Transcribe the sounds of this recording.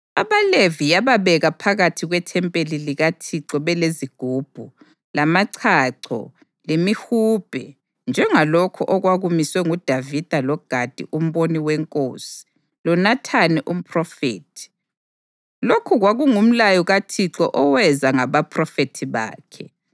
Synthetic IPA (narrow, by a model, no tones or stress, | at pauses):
aβalevijaβaβɛɣapʰaɣatʰiɣwɛtʰɛmpʼeliliɣatʰiǁɔβɛleziɡ̥ʱuːb̥ʱu | lamaǀʰaǀʰɔ̰ | lemihuːb̥ʱɛ | nd͡ʒʱɛŋalokʰɔʔɔɣwaɣumiswɛŋud̥ʱavid̥ʱalɔɡ̥ʱad̥ʱḭʔum̩βoniwɛŋkʼosi̥ | lɔnatʰanɛʔum̩pʰʼrɔfḛːtʰi̥ | lokʰuɣwaɣuŋum̩lajɔɣatʰiǁɔ̰ʔɔwɛzaŋaβapʰʼrɔfetʰiβa̰ːkʰɛ